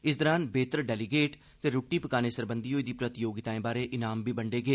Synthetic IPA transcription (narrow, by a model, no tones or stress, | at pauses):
ɪs̬d̪əɾaːnbeːt̪əɾɖɛːliɡeːʈ | t̪eːɾoːʈːiːpəkaːneːsəɾbə̃nd̪iːɦoːiːd̪iːpɾət̪ɪjoːɡɪt̪aːẽːbaːɾeːʔɪnaːmbiːbəɳɖeːɡeː